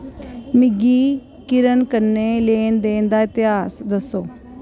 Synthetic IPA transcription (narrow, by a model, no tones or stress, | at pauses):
mɪɡiː | kɪɾənkənːeːleːnd̪eːnd̪aːɪt̪ɪɦaːsd̪əsːoː